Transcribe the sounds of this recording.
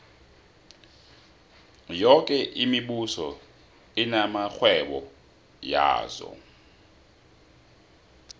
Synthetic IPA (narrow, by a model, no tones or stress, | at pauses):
jɔkʼɛʔimiɓusɔ | inamaxwɛɓɔ | ja̰ːzɔ̰